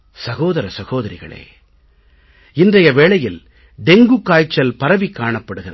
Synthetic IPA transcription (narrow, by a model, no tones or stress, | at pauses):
sɐɣoːðɐɾɐsɐɣoːðɐɾɪɣɐ̰ɭḛː | ɪndrɐjɐʋeːɭɐjɪl | ɖ̪ɛŋɡɯkːaːjt͡ʃːɐlpɐɾɐʋikːaːɳɐpːɐɽɯɣɪrɐ